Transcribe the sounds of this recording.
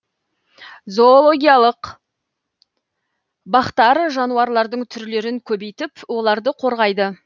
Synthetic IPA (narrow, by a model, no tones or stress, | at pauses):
zo̞olˠoɡʲijalˠəq | bɑχt̪ɑɾəʒɑnuɑɾlˠɑɾd̪əɴt̪ʰʏɾle̞ɾɪŋkʲʰɵbe̞jt̪ɪpwo̞lˠɑɾd̪əqʰo̞ɾʁɑjd̪ə